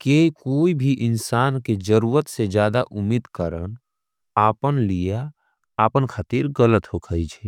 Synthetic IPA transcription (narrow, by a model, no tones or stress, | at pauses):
keikoːibʱiʔɪnsaːnked͡ʒəɾuːɾət̪sed͡ʒjaːd̪aʔʊmid̪kəɾən | aːpənlija | aːpənkʰaːt̪iːɾɣələt̪ɦokʰəit͡ʃʰɛ